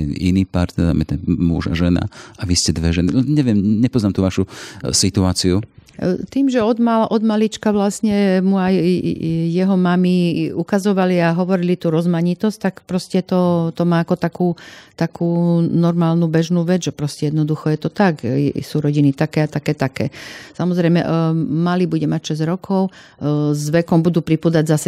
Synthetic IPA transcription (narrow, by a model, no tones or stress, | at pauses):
ɛnḭniːpaɾt̪ɛd̪a̰mɛ̰t̪ɛnmṵʒa̰ʒɛna̰aʋiscɛd̪ʋɛʒɛniɲɛʋɪɛmɲɛpɔznaːmt̪uːʋaʃusit̪uaːt͡siut̪iːmʒɛɔd̪maʔɔd̪malit͡ʃkaʋlasɲɛmuaj | jɛɦɔmamiukazɔʋaliaɦɔʋɔɾilit̪uːɾɔzmaɲit̪ɔsc̚t̪akpɾɔscɛt̪ɔt̪ɔmaːakɔt̪akuːt̪akʰuːnɔɾmaːlnuːbɛʒnuːʋɛd͡zʒɛpɾɔscɛjɛd̪nɔd̪uxɔjɛt̪ɔt̪akɛsuːɾɔɟinit̪akɛːat̪akɛːt̪akɛːsamɔzɾɛjmɛ̰malibuɟɛmacʃɛzɾɔkʰɔʊ | zʋɛkɔmbud̪uːpɾipuːd̪aɟzasɛ